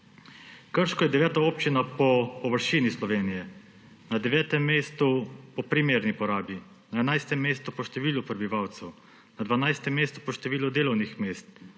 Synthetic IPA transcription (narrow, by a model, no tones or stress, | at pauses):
kəɾʃkɔjɛd̪ɛʋɛːt̪aoːpt͡ʃinapɔpɔʋəɾʃiːnislɔʋeːnijɛ | nad̪ɛʋɛːt̪ɛmːeːst̪upɔpɾimeːɾnipɔɾaːbi | naɛnajst̪ɛmːeːst̪upɔʃt̪ɛʋiːlupɾɛbiʋaːwt̪sɛw | nad̪ʋanajst̪ɛmːeːst̪u̥pɔʃt̪ɛʋiːlud̪eːlɔwnixmeːst̪